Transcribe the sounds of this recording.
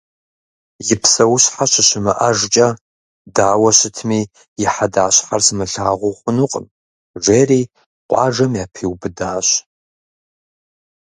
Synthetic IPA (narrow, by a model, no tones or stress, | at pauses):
jɪpʰsɐwɕħaɕɪɕɪmɨʔɐʐt͡ʃʼɐ | daːwɐɕɪtʰmiː | jɪħadaːɕħarsɨmɨɬaːʁʷʊχʷʊnʊqʼə̰m | ʐeːriː | qʷʼɑ̰ːʐɐmjaːpʰiwbɨdaːɕ